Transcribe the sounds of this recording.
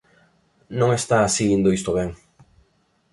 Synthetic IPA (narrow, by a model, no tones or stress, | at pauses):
nõŋest̪aːsiɣind̪oist̪oβeŋ